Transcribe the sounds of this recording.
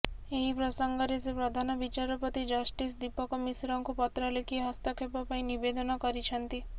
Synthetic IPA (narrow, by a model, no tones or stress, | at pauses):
eɦipɾɔsɔŋɡɔɾesepɾɔd̪ʱanɔbit͡ʃaɾɔpɔt̪id͡ʒɔsʈisd̪ipɔkɔmisɾɔŋkupɔt̪ɾalekiɦɔst̪ɔkʰepɔpaĩnibed̪ɔnɔkɔɾit͡ʃʰɔnt̪i